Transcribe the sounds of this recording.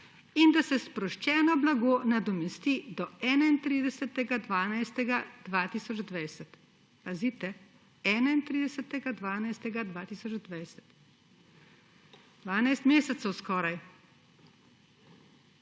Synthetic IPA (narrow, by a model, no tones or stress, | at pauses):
ind̪asɛspɾɔʃt͡ʃɛːnɔblaɡoːnad̪ɔmɛst̪id̪ɔɛːnaint̪ɾiːd̪ɛsət̪ɛɡad̪ʋaːnajst̪ɛɡad̪̥ʋaːt̪iːsɔd͡ʒd̪ʋajsɛt̪ | pazit̪ɛ | ɛːnaint̪ɾid̪ɛsət̪ɛɡad̪ʋaːnajst̪ɛɡad̪ʋaːt̪iːsɔd͡ʒd̪ʋajsɛ̥t̪ | d̪ʋaːnajst̪meːsɛt̪sɛwskɔːɾaj